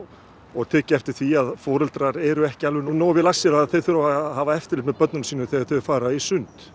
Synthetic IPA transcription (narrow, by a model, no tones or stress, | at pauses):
ɔɣt̪ʰɛːcɪɛft̪ɪɾ̥θviaðfɔːɾʏlt̪ɾaɾɛɾʏɛhcɪalvɪnonoːwvɪlasːɛɾaaðθeθʏɾaahavaɛft̪ɪɾlɪt̪mɛðpœt̪nʏnsiːnʏθɛɣaɾ̥θœjfaːɾaisʏnt̪